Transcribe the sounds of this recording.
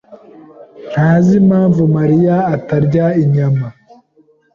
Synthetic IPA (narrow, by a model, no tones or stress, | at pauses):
n̥haːzimaːɱvumaɾijaːtaɾɟaiɲama